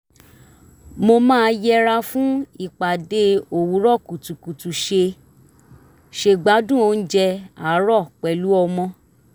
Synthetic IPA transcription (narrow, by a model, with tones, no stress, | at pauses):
mo˧mãː˦˧jɛ˧ɾa˧fũ˦i˦˨k͡pa˨de˧˦o˨wu˨˦ɾɔ˦˨ku˨tu˨ku˨tu˨ʃe˧ | ʃe˧ɡ͡ba˨˦dũ˦˨o˧˦˧n̩˦d͡ʒɛ˧a˨˦ɾɔ˦˨k͡pɛ˨lu˨˦ɔ˧mɔ̃˧